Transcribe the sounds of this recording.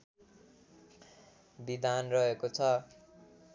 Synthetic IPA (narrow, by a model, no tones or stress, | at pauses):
bid̪anrʌɦekot͡sʰʌ